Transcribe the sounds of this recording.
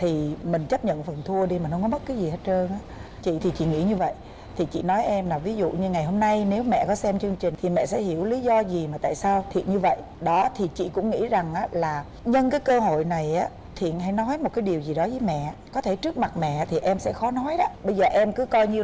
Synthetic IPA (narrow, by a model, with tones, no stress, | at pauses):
t̪ʰi˨˩mï˨˩ŋ̟t͡ɕə˦˥p̚ɲə̰˧˨nfə˨˩nt̪ʰu˧əɗi˧miː˨˩nhə˧ŋ͡mkɔ˦mə˦˥t̚kaː˨˦jzi˨˩haː˨˦˥t̚əː˧nʔaː˨˦ | t͡ɕḭ˧˨t̪ʰi˨˩t͡ɕḭ˧˨ŋḭ˧˥ɲɨ˧və̰˧˨jʔ | t̪ʰi˨˩t͡ɕḭ˧˨nɔ˨˦jʔɛ˧mlaː˨˩vi˨˦zṵ˧˨ɲɨ˧ŋa˨˩jɦo˧mna˧jne˨˦wmɛ̰˧˨kɔ˨˦sɛ˧mt͡ɕɨ˧əŋt͡ɕï˨˩ŋ̟t̪ʰi˨˩mɛ̰˧˨sɛ̰˧˥hi˧˩əwli˨˦zɔ˧zi˨˩maː˨˩t̪a̰ː˧˨jsaː˧wt̪ʰḭ˧˨nɲɨ˧və̰˧˨j | ɗɔ˨˦t̪ʰi˨˩t͡ɕḭ˧˨kʊ̰˧˥ŋ͡mŋḭ˧˥za˨˩ŋʔaː˨˦laː˨˩ | ɲə˧nkaː˨˦jkəː˧ɦo̰˧˨jna˨˩jʔaː˨˦ | t̪ʰḭ˧˨ənɦa˧˩jnɔ˨˦jmo˨˩kaː˨˦jɗi˨˩əwzi˨˩ɗɔ˨˦zəː˨˦jmɛ̰˧˨kɔ˨˦t̪ʰe˧˩t͡ɕɨ˦˥ək̚ma˨˩t̚mɛ̰˧˨t̪ʰi˨˩ʔɛ˧msɛ̰˧˥xɔ˨˦nɔ˨˦jɗɔ˨˦ɓə˧jzəː˨˩ʔɛ˧mkɨ˨˦kɔ˧jɲɨ˧